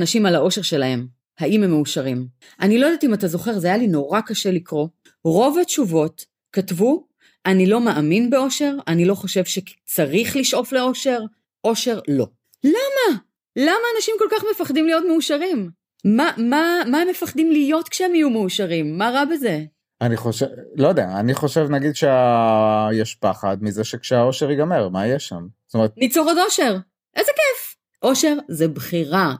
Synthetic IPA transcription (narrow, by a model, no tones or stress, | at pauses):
naʃimalao̞ʃe̞ʁʃe̞lahe̞m | haimemːeuʃaʁim | ʔanilojdatimatazo̞χe̞ʁzeajalino̞ʁakaʃe̞likʁo̞ | ʁo̞vhatt͡ʃuvo̞t | katvu | ʔanilo̞maʔaminbeo̞ʃe̞ʁanilo̞χo̞ʃe̞vʃe̞t͡saʁiχliʃʔo̞fle̞o̞ʃe̞ʁ | ʔo̞ʃe̞ʁlo̞̰ | lama | lamaːnaʃimko̞lkaχme̞faχdimlijo̞tmeuʃaʁim | mamamaemːefaχd̪imlijo̞tkʃeemijumeuʃaʁimːaʁabeze̞ | aniχoʃelojd̪ea̰ːniχo̞ʃevnaɡid̪ʃeajɛʃpaχad̪mizeʃekʃeao̞ʃeʁiɡameʁmaijɛʃa̰mst̪omet̪nit͡soχodo̞ʃe̞ʁ | ʔezekef | ʔo̞ʃe̞ʁzebχiʁa